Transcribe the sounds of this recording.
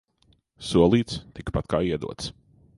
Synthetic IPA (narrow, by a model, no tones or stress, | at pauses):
suɔlˠiːt̪st̪ikpat̪kaːiɛd̪ṵɔt̪s